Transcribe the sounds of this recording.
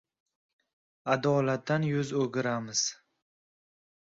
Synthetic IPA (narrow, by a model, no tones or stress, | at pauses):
ad̪ɒːlat̪ːanjʊzɵɡʲɪɾamɪz̥